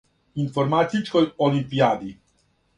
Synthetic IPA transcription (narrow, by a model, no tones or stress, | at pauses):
infoɾmat̪it͡ʃkojolimpijaːd̪i